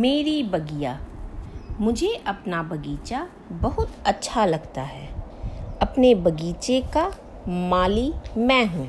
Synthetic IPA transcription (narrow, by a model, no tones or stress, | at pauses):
meːɾibɐɡijaː | mʊd͡ʒʱeʔɐpnabɐɡiːt͡ʃa | bɐɦʊt̪ɐtːʃʰalɐɡt̪aɦɛː | ɐpnebɐɡiːt͡ʃeka | maːlimɛ̃ːɦũː